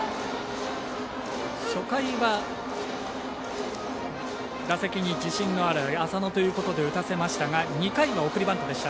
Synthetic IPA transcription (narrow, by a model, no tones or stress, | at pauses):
ɕo̞kaiβa | d̪asekʲiɲ̟id͡ʑiɕĩnːo̞aɾɯ̟asano̞t̪o̞jɯ̟ːko̞t̪o̞d̪e̞ɯ̟t̪ase̞maɕi̥t̪aŋaɲ̟ikaiβao̞kɯ̟ɾʲibãnt̪od̪e̞ɕi̥t̪a